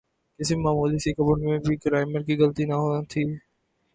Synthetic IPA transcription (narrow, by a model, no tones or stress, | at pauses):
kɪsimaːmuːliːsiːkəbʊnmẽːbʱikɾaːɪməɾkiːɡəlt̪iːnaɦoãːt̪ʰiː